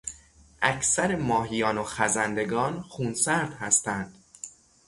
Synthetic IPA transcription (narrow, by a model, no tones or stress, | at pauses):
ʔæcʰsæɾemɒːɦijɒːnoxæzænd̪e̞ɡɒːnxuːnsæɾd̪hæst̪ænd̪̥